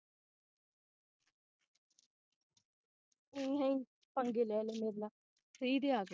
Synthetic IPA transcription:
ĩːɦãĩː | pəŋɡeːlɛːleːmeːɾna | kʰɾiːd̪eːaːɡ

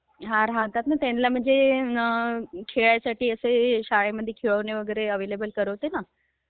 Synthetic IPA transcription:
ɦãɾɦãɦt̪at̪̚nət̪enlam̤əɳd͡ze | kʰeɭjasaʈiːəseɕaɭeməd̪ʱːjekʰeɭəneʋəɡəɾeəʋelebəlkəɾəʋt̪ena

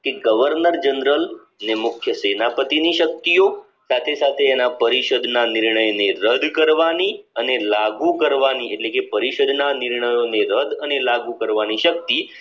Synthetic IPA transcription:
keɡəʋəɾnəɾd͡ʒənɾəl | nemʊkʰjəsenapət̪iniʃək̚t̪ijo | sat̪ʰesat̪ʰeːnapəɾiʃəd̪nanɪɾɳəjneɾəd̪kəɾʋani | ənelaɡukəɾʋanieʈlekepəɾiʃəd̪nanɪɾɳəjoneɾəd̪ənelaɡukəɾʋaniʃək̚t̪i

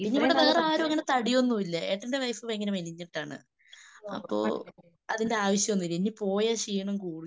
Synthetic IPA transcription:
pinːeiʋiɽet̪eːrɐaːɾoɐŋːɐnet̪ɐɽijonːuʋilːɐe̞ːʈːɐndeʋɐjfɨʋeŋːɐneʋeniɲːiʈːaːɳɨ̰ | ɐ̰pːo̰ː | ɐðinde̞aːʋɐɕjɐmonːilenːipo̞ːjɐɕiːɳɐmkuːɽu

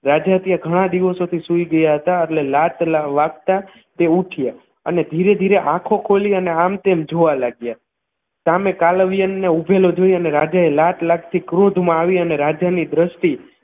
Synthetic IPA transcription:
ɾad͡ʒat̪jaɡʱəɽ̃ãd̪iʋəsot̪ʰisuiɡəjaɦət̪aəʈlelat̪laʋaɡt̪a | t̪euʈʰija | ə̰ned̪ʱiɾed̪ʱiɾeʔãkʰokʰoliəneamt̪emd͡ʒoʋalaɡja | samekalʋijənːeubʱelod͡ʒojəneɾad͡ʒaelaʈ̪laɡ̚t̪ʰikɾod̪ʱmãːʋiəneɾad͡ʒanid̪ɾəʃʈi

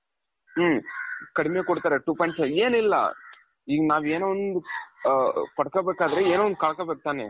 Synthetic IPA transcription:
kɐɽimejːkɔɽɯt̪ːaːɾeʈuːpɔɪɳʈsɐeːnɪlːɐ̰ | iːɡɐnaːʋeːnːʋɔnd̪ɯ | pɐɽɐkːɐbeːkaːd̪ɐɾeeːnːʋɔnd̪ɯkɐɭɐkːɐbeːk̚t̪aːnḛ

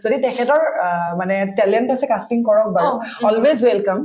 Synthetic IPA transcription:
zoditɛkʰɛtɔɹmanɛtɛlɛntasɛkastiŋkɔɹɔk̚baɹɔlwezwɛlkam

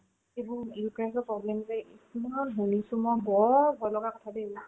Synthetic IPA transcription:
ebʊɹikasɔpɹɔblɛmzɛismaɔnɦunisumɔjbɔɹbʱɔɹlɔɡakɔtʰadɛːbʊ

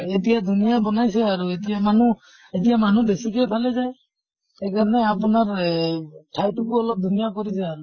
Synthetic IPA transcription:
etijad̪ʱunijabɔnajsɛaɹuetijamanu | etijamanubesikɛpʰalɛzaj | ɛjkaɹɔnɛapunaɹ | tʰajtukuɔlɔp̚d̪ʱunijakɔɾisɛaɾu

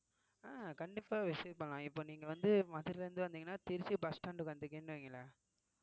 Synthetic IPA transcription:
aːkɐɳɖɪpːaːʋɪspɐɳlãːɪpːoːniːŋɡɐʋɐnd̪ɯmɐðɪɾɪlɐɾɯnd̪ɯʋɐnd̪iŋɡɐnːaːt̪ɪɾɪt͡ʃːɯbɐsʈaːɳɖɯkɐnd̪ɯk̬ːeːnːɯʋeːŋɡɐlːɐ

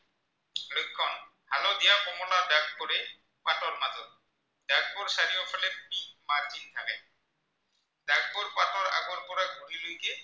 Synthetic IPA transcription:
lʊjkʰːɔn | halod̪ijaxɔmɔladaɡ̚koɾɛ | patɔɹmazɔt̪̚ | daɡ̚bʊɾsaɾijɔpʰɔlɛikmaɹd͡ʒint̪ʰakɛ | daɡ̚boɾpatɔɹa̰ɡɔɾpɔɾaɡʱuɾilujkɛ

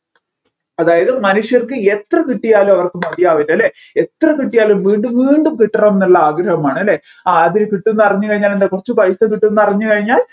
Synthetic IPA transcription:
ɐðaːjɐðɨmɐnuʂjɐrkɨet̪rɐkiʈːijaːlumɐʋɐrkɨmɐðijaːʋinɐlːeet̪rɐkiʈːijaːlumʋiːɳɖumʋiːɳɖumkiʈːɐrɐmnɐlːɐaːɡɾɐɦɐmaːɳɨɐlːe | aɐðinɨkiʈːenːɐrɐɲːukɐɻiɲːaːlend̪ekurɐt͡ɕːɨpɐjsɐkiʈːenːɐrɐɲːukɐɻiɲːaːl

